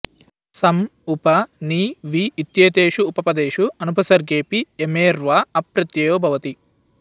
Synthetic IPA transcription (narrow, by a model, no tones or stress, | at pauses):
sɐmupɐniːʋiːt̪jeːt̪eːʃuːpɐpɐd̪eːʃuɐnupɐsɐɾɡeːpiemeːɾʋaɐpɾɐt̪jɐjoːbʱɐʋɐt̪i